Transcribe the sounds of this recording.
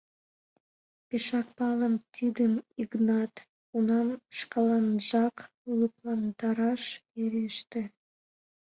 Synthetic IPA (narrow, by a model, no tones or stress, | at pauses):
peʃɑk̚pɑləmt̪ʰid̪əmiɣnɑt̪ | unɑmʃkɑlɑnʒɑk | luplɑnt̪ɑɾɑʃeɾeʃt̪ĕ